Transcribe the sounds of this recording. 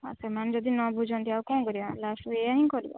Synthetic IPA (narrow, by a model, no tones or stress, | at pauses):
a̰səmañd͡ʒɔd̪inɔbʱud͡ʒʱɔnt̪ʰiaukɔ̃ːkɔɾialasueaɦĩkɔɾibɔ̰